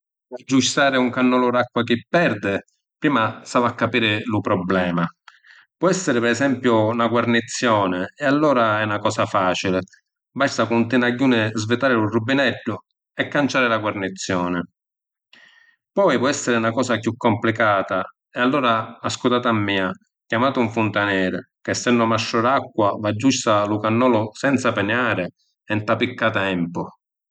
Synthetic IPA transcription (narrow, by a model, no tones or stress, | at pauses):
ad͡ʒːust̪aːɾɪuŋkanːɔlʊɾakːwakɪpːɛrd̪ɪ | pɾiːmasavakːapiːɾɪlupɾɔblɛːma | pwɔɛsːɪɾɪpɛɾɛsɛmpjʊnaɡwarnit̪sːjɔːnɪːalːɔːɾaɛnakɔːsafaːt͡ʃilɪ | bast̪akunt̪ɪnaɟːuːnɪzvɪt̪aːɾɪlurubːinɛɖːʊ | ɛkːant͡ʃaːɾɪlaɡwarnit̪sːjɔːnɪ | pɔjvwɔɛsːɪɾɪnakɔːsakjukːɔmplikaːt̪a | ɛalːɔːɾaːskut̪aːt̪amːiːa | kjamaːt̪ʊuɱfunt̪anɛːɾɪkɪɛsːɛnɖʊmaʃːɔɾakːwavad͡ʒːust̪alukanːɔːlʊsɛnt̪sapɪnjaːɾɪ | ɛnt̪apikːat̪ɛmpʊ